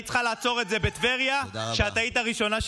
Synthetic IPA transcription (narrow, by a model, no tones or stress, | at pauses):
tt͡sχalaːt͡so̞ʁe̞tzebet̪veʁjaʃeat̪aitaʁiʃo̞naʃ